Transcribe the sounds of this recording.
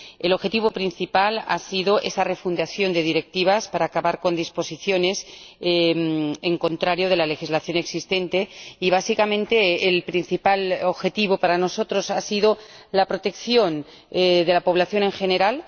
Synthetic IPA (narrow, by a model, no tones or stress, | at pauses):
elo̞βxe̞t̪iβopɾin̟θipala̰siðoʔe̞sare̞fund̪aθjo̞nd̪e̞ðiɾe̞k̚t̪iβ̞aspaɾaːkaβaɾko̞nd̪ispo̞siθjo̞ne̞semeŋkõ̞nt̪ɾaɾjoð̞e̞lale̞xizlaθjo̞ne̞ksist̪ẽ̞nt̪e̞iβ̞asikamẽnt̪eːlpɾin̟θipaloβxe̞t̪iβopaɾano̞so̞t̪ɾo̞sasiðo | lapɾo̞t̪e̞kθjo̞n | eðe̞lapo̞β̞laθjo̞ne̞ŋxe̞ne̞ɾal